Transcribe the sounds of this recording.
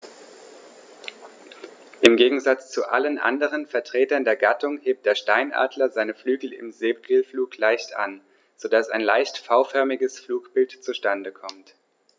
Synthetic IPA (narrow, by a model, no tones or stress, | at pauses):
ʔɪmɡeːɡŋ̩zat͡st͡suʔa̰lənʔa̰ndəʁ̞ənfɛɐtʁ̥eːtɐndeːɐɡatʰʊŋheːp̚t̚d̥eːɐʃtaɪnʔa̰ːdlɐzaɪnəflyːɡl̩ɪ̰mzeːp̚ɡlfluːklaɪçtʔa̰n | z̥odasa̰ɪnlaɪçtfaʊfœɐmɪɡəsfluːkb̥ɪltt͡suʃtandəkʰɔmt